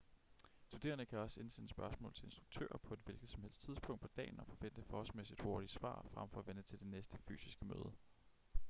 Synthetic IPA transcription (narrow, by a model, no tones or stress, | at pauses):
stʰud̥e̝ːɐnəkʰæɒ̽se̝nsenəsb̥ɶɐsmɔ̰̽lt͡sʰe̝le̝nsd̥ʁuɡ̥̚t͡sʰø̰ːɐpʰɒ̽e̝d̥ʋe̝lɡ̥ð̩ˠsɒ̽mhḛl̰sd̥t͡sʰiðˠsb̥ʰɔ̽ŋd̥̚pʰɒ̽d̥ɛ̰ːnɒ̽fɒ̽fen̰d̥əfɒːhɒlsmesid̥ho̝ɐɾ̥isʋɑ̰̈ːfʁam̰fɒ̽æʋen̥ət͡sʰe̝ld̥e̝nesd̥əfy̰ːsisɡ̥əmø̰ːð̞ˠə